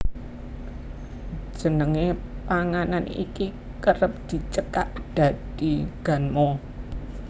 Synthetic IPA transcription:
d͡ʒ̥ə̤nəŋepaŋananḭki | kəɾəp̚d̪̥i̤t͡ʃəkaʔd̪̥ä̤d̥iɡ̥a̤nmɔ

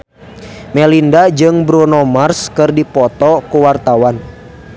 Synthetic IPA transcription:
mɛlindad͡ʒɨŋbɾunɔmarskɨrdipɔt̪ɔkuwart̪awan

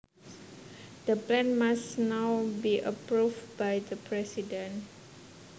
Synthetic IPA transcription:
d̪̥əplɛ̃nmasnawbiʔəpɹufbajdəpʰɹɛsidə̃n

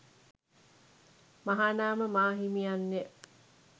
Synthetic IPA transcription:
maɦanaːməmaːɦimijanːe

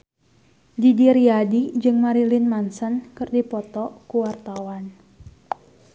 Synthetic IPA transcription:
didiɾiadid͡ʒɨŋmaɾilinmansənkɨrdipɔt̪ɔkuwart̪awan

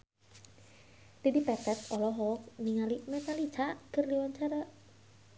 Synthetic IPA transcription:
d̥edipɛt̪ɛt̪̚ɔlɔɦɔk̚niŋalimɛt̪alit͡ʃaʔkɨrliwant͡ʃaɾaʔ

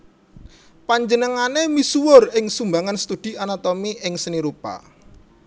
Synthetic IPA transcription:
paɲd͡ʒənəŋanemisuwʊrɪŋsumbaŋanst̪ud̪̥i̤anat̪omiʔɪŋsəniɾupa̰

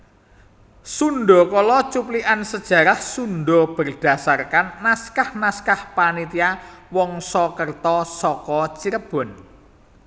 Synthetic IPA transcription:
sunɖɔkɔlɔt͡ʃupliʔansəd̥ʒ̥a̤ɾahsunɖɔb̥ərd̥a̤sarkanːaskahnaskahpanit̪iawɔŋsɔkərt̪ɔsɔkɔt͡ʃiɾəb̥ɔ̤n

